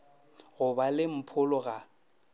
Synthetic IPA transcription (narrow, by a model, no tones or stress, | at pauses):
ɣʊbalɪm̩pʰʊlʊɣa